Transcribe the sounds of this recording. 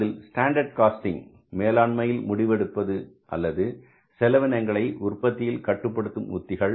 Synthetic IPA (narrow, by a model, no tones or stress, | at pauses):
ðɪlsʈaːɳɖɐɾɖ̚kaːsʈɪŋ | meːlaːɳmɐjɪlmʊɽɪʋɛɽɯpːɐðɯ | ʔɐ̰lːɐðɯ | sɛlɐʋɪnɐŋɡɐɭɐɪʔʊrpːɐt̪ːɪjɪlkɐʈːɯpːɐɽɯt̪ːɯmʊ̰t̪ːɪɣɐɭ